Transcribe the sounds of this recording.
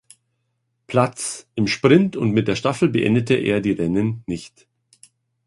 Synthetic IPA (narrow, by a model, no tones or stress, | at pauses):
pʰl̥at͡sʔɪmʃpʁ̥ɪntʊntmɪt̚d̥eːɐʃtafl̩bəʔɛ̰ndətʰəʔḛːɐdiːʁɛnənːɪçt